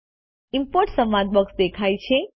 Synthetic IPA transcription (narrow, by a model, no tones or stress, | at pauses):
impoɾʈsəmãd̪̚bəksd̪ekʰajt͡ʃʰe